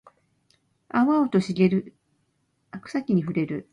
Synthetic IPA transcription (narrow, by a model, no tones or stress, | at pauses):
aβaot̪o̞ɕiɡe̞ɾɯ̟ | akɯ̥sakʲiɲ̟iɸɯ̟ɾe̞ɾɯ̟